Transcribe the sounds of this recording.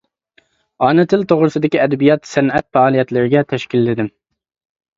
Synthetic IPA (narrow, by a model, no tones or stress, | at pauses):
ɑːnɨt̪ʰɪlt̪ʰoʁɾɨsɨd̪ɪkʲiɛd̪ɛbijɑt̪sɛnɛt̪̚fæɑːlˠijɛt̪lɪɾɪɡʲɛt̪ʰɛʃkʲilːɪd̪ɪm